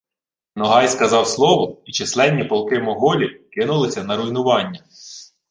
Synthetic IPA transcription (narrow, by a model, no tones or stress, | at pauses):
nɔɦɑjskɐzɑwslˠɔʋɔit͡ʃɪslˠɛnʲːipɔlˠkɪmɔɦɔlʲikɪnʊlˠɪsʲɐnɐɾʊjnʊʋɑnʲːɐ